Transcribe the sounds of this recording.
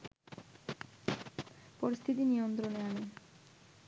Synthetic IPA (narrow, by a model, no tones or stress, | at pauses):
poɾist̪ʰit̪inijont̪ɾoneane